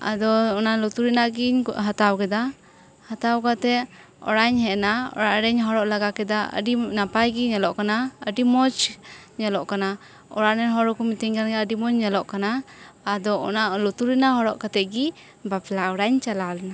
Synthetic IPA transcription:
a̰d̪ɔɔnalut̪uɾinaʔɡiɲɦat̪awkɛd̪a | hat̪awkat̪ɛ | ɔ̰ɽaɲɦɛʔnaɔ̰ɾaʔɾɛɲɦɔɾɔʔlaɡakɛd̪aə̰ɖinapajɡiɲɛlɔʔkanaəɖimɔt͡ʃɲɛlɔʔkana | ɔ̰ɾaʔnɛnɦɔɾɔkɔmit̪ɛɲɡanɡɛəɖimɔɲɲɛlɔʔkanaːd̪ɔɔ̰naʔlɔt̪uɾinaɦɔɾɔʔkat̪ɛʔɡi | baplaɔɽaɲt͡ʃalalna

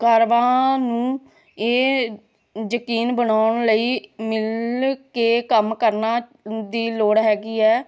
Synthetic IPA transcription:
kaːɾʋãːnũː | eː | jəkiːnbənaːʊɳləiːmɪlkeːkəmkəɾnaːd̪iːloːɽɦɛːɡiːɛː

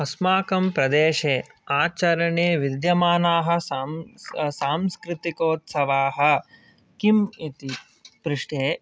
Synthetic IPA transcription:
ɐsmaːkɐmpɾɐd̪eːʃeː | aːt͡ʃɐɾɐɳeːʋid̪jɐmaːnaːɦɐ̆samsaːmskɾɪt̪ikoːt̪sɐʋaːɦɐ̆ | kimit̪i | pɾɪʂʈeː

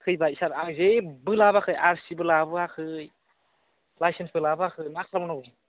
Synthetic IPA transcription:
kʰɯjbaisaɾazebɯlabakʰɯjaɾsibɯlabɯakʰɯj | lajsensbɯlabakʰɯjnak̚sʰabɔnɔbɯ

